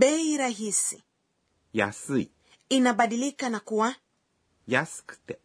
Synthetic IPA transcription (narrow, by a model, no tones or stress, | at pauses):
ɓɛiɾaɦisi | ja̰si | inaɓaɗilikanakuwa | jaskt̪ɛ